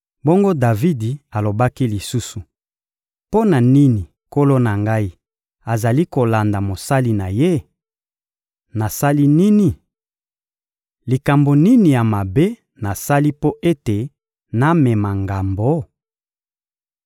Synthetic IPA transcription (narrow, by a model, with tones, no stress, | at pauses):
bo˦ŋɡo˦da˨vi˦di˨a˨lo˨ba˦ki˦li˨su˦su˨ | po˦na˨ni˦ni˨ | ko˦lo˦na˨ŋɡa˦i˦ | a˨za˨li˦ko˨la˨nda˨mo˨sa˦li˦na˨je˦ | na˨sa˦li˦ni˦ni˨ | li˨ka˨mbo˨ni˦ni˨ja˨ma˨be˦ | na˨sa˦li˦po˦ʔe˦te˨ | na˦mɛ˨ma˨ŋɡa˨mbo˨˦